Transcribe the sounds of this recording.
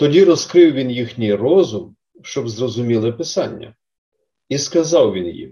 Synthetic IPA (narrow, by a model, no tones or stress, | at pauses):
t̪ɔdʲiɾɔskɾɪwʋʲinjixnʲijrɔzʊm | ʃt͡ʃɔbzrɔzʊmʲilˠɪpɪsɑnʲːɐ̰ | iskɐzɑwʋʲinjḭm